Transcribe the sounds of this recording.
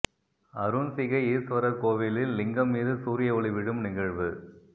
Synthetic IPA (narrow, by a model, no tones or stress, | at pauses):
ɐɾunsɪɣɐɪiːɾsʋɐɾɐkoːʋɪlɪlːɪŋɡɐmːiːðɯsuːɾɪjɐɔɭiʋɪɽɯmnɪɣɐɻʋɯ